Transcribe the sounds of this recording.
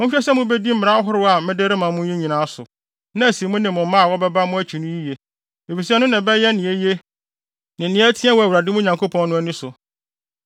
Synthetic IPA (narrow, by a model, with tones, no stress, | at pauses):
mʊ̃˦ɕᶣɛ˦sɛ˦mʊ̃˦be˦di˦m̩˦˨ɾa˦ɦʊ˦ɾɪ˦a˨mɪ̃˦de˦ɾɪ˦mã˨mʊ̃˦ĩ˦ɲĩ˨nãː˨˦a˦sʊ̰˨ | nã˦æ˨si˨˦mʊ̃˦nɪ̃˨mʊ̃˨m̩˦mã˦a˨wɔ˦bɛ˦ba˦mʊ̃˦æ˦t͡ɕʰᶣi˨nʊ̃˦ji˦je˨ | e˨fi˨sɛ˦nʊ̃˦nɪ̃˨bɛ˦jɛ˦nɪ̃˨e˦je˦ | nɪ̃˨nɪ̃˦ɛ˦tʰi˦ɛ˦wɔ˨æ˨wɾa˨dɪ˦mʊ̃˦ɲã˨ŋkʰo˦pʰɔ̃˦n˦nʊ̃˦æ˦nĩ˦sʊ˨